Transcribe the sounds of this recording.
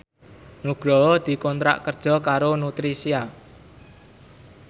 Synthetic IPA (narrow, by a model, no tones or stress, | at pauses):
nuɡ̥ɾɔd̪̥i̤kɔnt̪ɾa̰ʔkərd̥ʒ̥ɔ̤kaɾonut̪ɾisia